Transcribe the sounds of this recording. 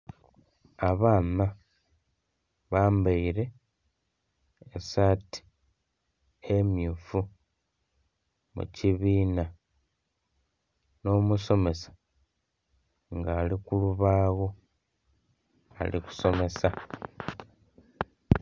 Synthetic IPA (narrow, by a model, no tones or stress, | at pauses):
aβaːna | βaːmbaiɾe̞ | saːti̥ | emjufu | mṵciβiːna | no̞ːmuso̞me̞sḁ | ŋɡaːlikuluβaːɣo̞ | a̰liku̥so̞me̞sa